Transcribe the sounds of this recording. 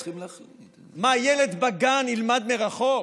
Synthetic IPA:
imla | majeled̪baɡanilmad̪meʁaχok

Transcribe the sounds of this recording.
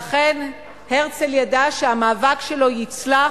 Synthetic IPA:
aχe̞n | heʁt͡seljadaʃeamaːvakʃelo̞jit͡sla

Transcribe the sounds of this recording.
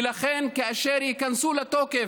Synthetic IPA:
laχenkaaʃeɾjikansulat̪oːke

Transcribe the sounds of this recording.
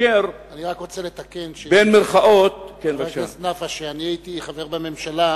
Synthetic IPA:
eɾaniʁakʁot͡selet̪akenʃbenmeɾχaʔot̪̚kenʃasnafaʃeaniajit̪iχaveʁbamemʃala

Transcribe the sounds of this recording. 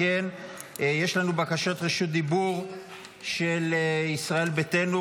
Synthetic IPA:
en | jeʃlanubakaʃotʁeʃut̪̚d̪ibuʁ | ʃelisʁae̞lbete̞nu

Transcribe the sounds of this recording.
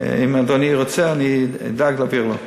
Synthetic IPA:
ḭmadoniʁot͡seanid̪aɡlaviʁlo̰

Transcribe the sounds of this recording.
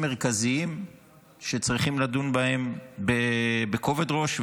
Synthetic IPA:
meʁkaziim | ʃet͡sʁiχimladunbahe̞mbebeko̞vedʁo̞ʃ

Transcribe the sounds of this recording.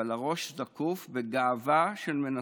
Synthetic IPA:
alaʁo̞ʃzakufbeɡaːvaʃelmena

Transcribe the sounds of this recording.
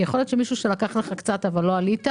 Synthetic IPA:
jeχo̞ljotʃe̞miʃuʃelakaχleχakt͡sat̪avalːo̞alit̪a

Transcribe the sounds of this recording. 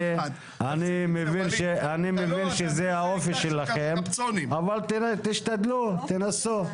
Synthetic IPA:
e | animevinʃeanimevinʃezeaofiʃelaχemniavalt̪t̪iʃt̪ad̪lut̪enasu

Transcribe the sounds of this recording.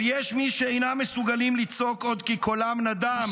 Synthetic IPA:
jeʃmiʃeejnamːesuɡalimlit͡so̞ko̞d̪kikolamnad̪am

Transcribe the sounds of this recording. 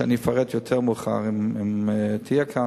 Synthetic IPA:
a̰nifaʁet̪jot̪ʰeʁmuχa̰ʁimimt̪ʰijekʰa

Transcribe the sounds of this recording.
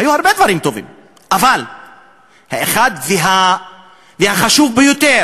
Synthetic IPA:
hajuhaʁbe̞d̪vaʁimt̪o̞vḭm | ʔaval | haeχad̪veɦa | vehaχaʃuvbejot̪eʁ

